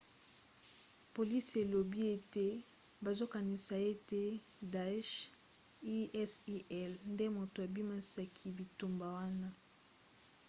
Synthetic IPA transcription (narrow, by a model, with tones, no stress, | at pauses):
po˨li˦se˨lo˨bi˦e˦te˦ | ba˨zo˦ka˨ni˨sa˨e˦te˦ | da˨˦ʃ | i˦ɛ˦si˦ʔɛ˦lnde˦mo˨to˨a˨bi˦ma˦sa˨kʰi˨bi˨tu˨mba˨wa˦na˦